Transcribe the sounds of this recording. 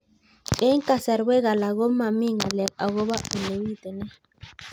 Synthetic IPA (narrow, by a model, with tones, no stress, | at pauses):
kʼɛ˦ŋ˦ka˨sa˨ɾwɛ˦ɣa˨la˨ɣo˦ma˨mi˦ŋa˨lɛ˨a˨ɣo˦βa˦ʔu˨le˨wi˦˨t̪ɛ˨nɛ˦